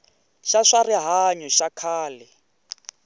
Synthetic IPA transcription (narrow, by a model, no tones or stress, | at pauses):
ʃaʂariɦaɲɔʃakʰaːlɛ